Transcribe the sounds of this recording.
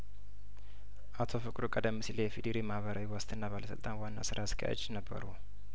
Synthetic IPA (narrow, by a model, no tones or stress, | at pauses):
ʔat̪ʰo̞fɨkʼɾukʼəd̪əmːɨsilejɛfid̪iɾimahβəɾawiwast̪ʰʼɨnːaβaləsɨ̰lt̪ʼanwanːa̰sɨɾaskʰa̰ja̰t͡ʃːnəbːə̰ɾu